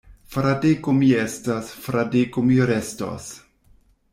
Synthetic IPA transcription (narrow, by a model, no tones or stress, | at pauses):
fɾadekʊmiɛstasfɾadekʊmiɾɛsto̰s